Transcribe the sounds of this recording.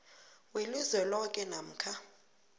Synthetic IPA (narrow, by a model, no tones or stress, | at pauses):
weluzɛlɔkʼɛnam̩kʰa